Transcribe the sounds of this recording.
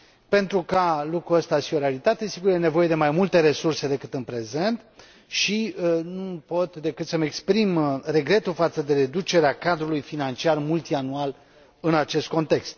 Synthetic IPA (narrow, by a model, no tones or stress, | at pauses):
pe̞nt̪ɾukalukɾuəst̪aʃio̞ɾealit̪at̪e̞siɡuɾjene̞vo̞je̞d̪e̞majmult̪e̞ɾe̞surse̞d̪e̞kɨt̪ɨnpɾe̞ze̞nt̪ | ʃinupo̞t̪d̪e̞kɨt̪səmekspɾimre̞ɡɾe̞t̪ulfat̪səd̪e̞ɾe̞d̪ut͡ʃe̞ɾeakad̪ɾulujfinant͡ʃiarmult̪ianual | ɨnat͡ʃe̞st̪̚ko̞nt̪e̞kst̪̚